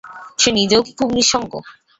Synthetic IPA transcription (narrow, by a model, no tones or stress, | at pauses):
ʃenid̪owkikumniʃɔŋɡo̰